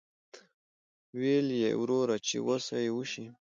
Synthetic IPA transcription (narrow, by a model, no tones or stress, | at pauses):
weljḛwɾoɾat͡ʃḛwosajwuʃi